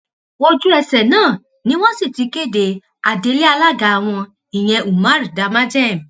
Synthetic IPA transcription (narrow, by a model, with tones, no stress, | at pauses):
wo˧d͡ʒu˦ɛ˧sɛ˨nãː˦˨ | nĩ˦w̃ɔ̃˦si˦˨ti˨˧ke˦˨de˨ | a˨de˧˦le˦a˧la˦˨ɡa˨a˨w̃ɔ̃˧ | ĩ˨j̃ɛ̃˧ʔu˨mã˦ɾi˨da˨˧mã˦d͡ʒɛ˦˨m˨